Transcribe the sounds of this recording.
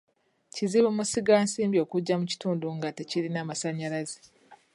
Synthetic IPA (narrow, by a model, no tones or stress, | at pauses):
ciziβumusiɡaːnsiːmbjo̞ːkuɟːamuci̥tuːnduŋɡate̞cilinaːmasaɲalaze̥